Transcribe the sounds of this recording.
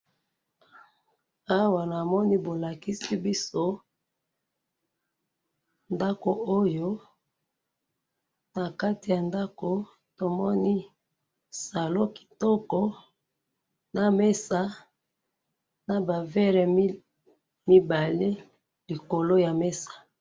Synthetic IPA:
a˦wa˨na˨mɔ˦ni˦bo˨la˨ki˦si˦bi˦so˦ | nda˦ko˨o˦jo˦ | na˨ka˦ti˨ja˨nda˦ko˨ | to˨mɔ˦ni˦ | sa˨lo˦ki̥˨tɔ˦kɔ˦ | na˨me˦sa˦ | na˨ba˨vɛ˦ʁɛ˨˦ | mi˦ba˨le˦ | li˨ko˨lo˦ja˨me˦sḁ˨

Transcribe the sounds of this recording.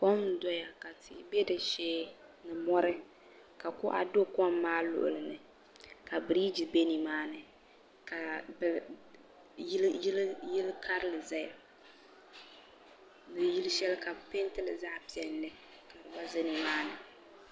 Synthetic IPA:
kɔ˦m˦dɔ˦ja˨ka˨tʰɪ˨˦be˦dɨ˨ʃeː˦ | nɨ˨mɔ˦ɾɨ˦ | ka˨kʊ˦ʔa̰˨do˦kɔ˦mː˦aː˦lʊ̰˨ʔʊ̰˨lɨ˨nɨ˨ | ka˨bɨ˨ɾi˦d͡ʒi˨be˦ni˨maː˦nɨ˨ | ka˨b | lji˦lkʰa˦ɾɨ˦lɨ˨za˦ja˨ | bɨ˨ji˦lʃɛ˦lka˨pe˦n˦tɨ˦lɨ˨za˦pi˨ɛ˨nːɨ˦ | ka˨ɾɨ˨ba˦zɨ˦ni˨maː˦nɨ˨

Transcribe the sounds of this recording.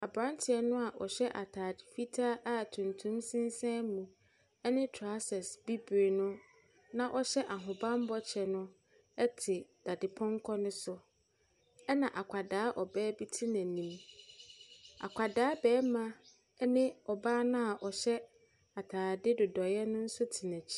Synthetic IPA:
a˨bɾã˦n˦tʰɪ˨ɛ˦nʊ̃˦a˨ʔɔ˨ɕɛ˦ʔa˨tʰaː˨dɪ˨fi˦tʰa˦ʔa˦tʰũ˨ntʰũ˦msɪ̃˦n˦sɛ̃˦mũ˨ | ɛ˦nɪ̃˦tʰa˦sɛ˨sbi˦bɾe˨nʊ̃˦ | nã˦ʔɔ˦ɕɛ˦ʔa˨ɦʊ̃˨bã˦m˦bɔ˦t͡ɕʰɛ˨nʊ̃˦ | ɛ˦tʰɪ˨d̥a˨dɪ˨pʰɔ̃˦ŋ˦kʰɔ˦nʊ̃˦sʊ˨ | ɛ˦nã˨ʔa˨kʷʰa˨daː˨˦ʔɔ˨bɛː˦bi˦tʰɪ˦næ̃˨nĩ˨m | a̰˨kʷʰa˨daː˨˦bɛː˨˦mã˦ | nɪ̃˦ɔ˨baː˦nʊ̃˦a˨ʔɔ˨ɕɛ˦ | a˨tʰaː˨dɪ˦dʊ˨dɔ˨jɛ˦nʊ̃˦n̩˦sʊ˦tʰi˨næ̃˨t͡ɕʰi̥˦

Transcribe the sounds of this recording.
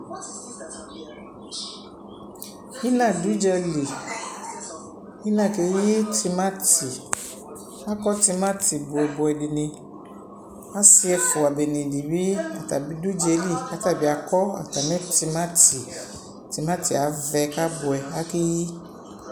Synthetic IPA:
i˦nã˨du˦d͡ʒɛ˦li˨ | i˦nã˨ke˨ji˦ti˦mã˦ti˨ | a˦kɔ˦t̪i˦mã˦ti˨bʊ˨ɛ˨bʊ˨ɛ˨ɖi˨nĩ˨ | a˦si˦ɛ˨fʊ˨a˨be˨nĩ˨di˨bi˦a˨t̪a˨bi˦du˦d͡ʒɛ˨li˦a˦t̪a˦bi˨˦a˨kɔ˦a̰˨t̪a˨nɛ̃˦ti˦mã˦ti˨ | ti˨mã˦ti˨a˨vɛ˨ka˦bʊ˨ɛ˨a˦ke˦ji˦

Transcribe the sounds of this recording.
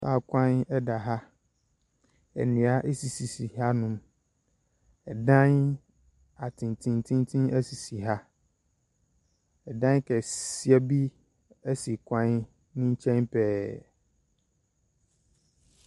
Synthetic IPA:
saː˦˨kʷʰã˦nɛ˦da˨ɦa˦ | ɛ̰˨nɪ̃˨a˦ʔe˦si˨si˨si˨ha˦nʊ̃˦m | ɛ˨dã˦n | a˨tʰɪ̃˨n˨tʰĩ˨n˦tʰĩ˦n˦tʰĩ˦næ˦si˨si˨ɦa˦ | ɛ˨dã˦n˦kʰɛ˨si˦ɛ˦bi˦ | ɛ˦si˨kʷʰã˦n | nĩ˦ɲ̩˦t͡ɕʰɛ̃˦npʰɛː˦

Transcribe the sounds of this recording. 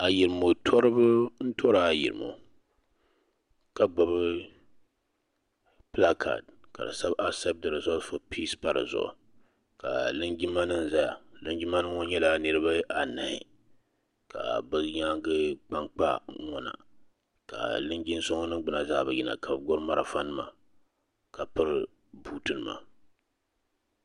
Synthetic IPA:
a˨ji˨ɾɨ˨mo˨tʰɔ˦ɾɨ˦bɨ˦n̩˦tʰɔ˦ɾa˨a˨jḭ˨ɾɨ˨mo̰˨ | ka˨ɡ͡bɔ˨bɨ˦ | pla˦kʰa̰˨d̚ka̰˨dɨ̰˨sa˦ba˦sɛ˦pb̚tɨ˨ɾɨ˨zʊ˦fo˨pʰi˦spa˦˨ɾɨ̰˨zʊ̰˨ʔ | ka̰˨lɨ˦nɡi˦mːa˦nɨ˦n˨za˦ja˨lɨ˦ŋd͡ʒi˦mːa˦nɨ˦ŋɔ˦ɲɛ˦la˦nɨ˦ɾɨ˦ba˦ʔa˨na˨hɪ̰˨ | ka˨bɨ˦ɲa˦ŋɡɨ˦k͡pa˦ŋk͡pa̰˦ŋɔ˦na̰˨ | ka̰˨lɨ˦ŋɡi˦n˦sɔ˦ŋɔ˦nɨ˦ɡ͡bɨ˨na˨za̰˦˨bɨ˨ji˨na̰˨kʰa˨bɡʊ˦ɾma˦ɾa˨fa˦nɨ˦ma̰˦ | ka˨pɨ˦ɾ | buː˦tɨ˦nɨ˨ma̰˨

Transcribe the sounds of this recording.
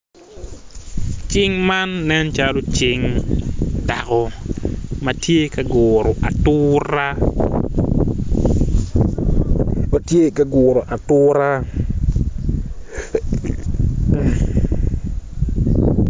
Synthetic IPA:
t͡ʃɪ˦ŋma˦nːɛ˦nt͡ʃalo˦t͡ʃɪ˦ŋ | da˨kɔ˨ | mɐ˨tje˦ka˨ɡʊ˨ɾo˨ʔa˨tʊ˦ɾa˦ | ma˨tje˦ka˨ɡʊː˨ɾo˨ʔa˨tʊ˦ɾa˦

